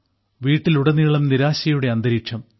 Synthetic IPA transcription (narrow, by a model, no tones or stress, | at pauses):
ʋiːʈːiluɽɐniːɭɐmniɾaːɕɐjuɽe̞ɐnd̪ɐɾiːʂɐm